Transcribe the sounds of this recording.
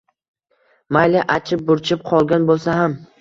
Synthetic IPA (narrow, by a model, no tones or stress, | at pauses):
majlɪʔat͡ʃʰɪp̚bʊɾt͡ʃʰɪp̚qʰɒlˠɡʲanbolˠsaɦam